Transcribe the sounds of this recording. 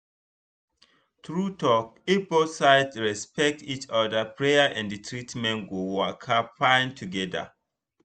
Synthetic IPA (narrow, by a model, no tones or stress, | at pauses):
tɹutɔk̚ebosaɪtɹɛspɛk̚tit͡ʃɔdapɹejaʔɛ̃nditʰɹitmɛ̃nɡowakʰapãɪ̃ntʰuɡɛda̰